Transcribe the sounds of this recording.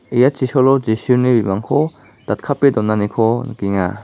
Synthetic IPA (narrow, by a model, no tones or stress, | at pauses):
ijat͡ʃisɔlɔd͡ʒisunibimaŋkʰɔ | d̪̥at̚kʰapːedɔnːanikʰɔna̰kiŋa